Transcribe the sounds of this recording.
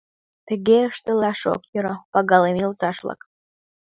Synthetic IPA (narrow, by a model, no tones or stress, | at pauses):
t̪ə̆ɣeəʃt̪əlɑʃo̰kjəɾopɑɣɑlemʲjilt̪ɑʃlˠɑ̰k